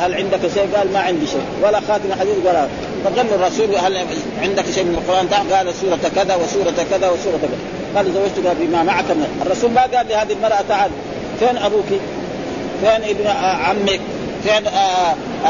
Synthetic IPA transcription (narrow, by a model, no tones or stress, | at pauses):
halʕɪnd̪akaʃeːɡaːlmaʕɪnd̪iʃḛːwalaxaːt̪imaħad̪iːd̪ɡaɾa | faɡalːurˤːɑsuːlhal | ʕɪnd̪akʃejmɪnalqʊɾʔaːnt̪aːħɡaːlsuːɾˤɑt̪akːad̪awisuːɾˤɑt̪akːad̪awɪsuːɾˤɑt̪akad̪a | ɡaːlzawːad͡ʒt̪uɡaːlbimamaʕakamaʔɑrˤːɑsuːlmaɡaːlːihaːd̪iilmɑɾˤʔat̪aʕad | feːnʔabuːki | feːnʔibnaʕamːik̚ | feːn